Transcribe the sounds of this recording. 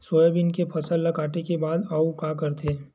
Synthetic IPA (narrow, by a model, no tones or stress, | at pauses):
soːjəbɪnkepʰɐsəlːɐkaːʈekebaːd̪aːukakɐɾt̪ʰeː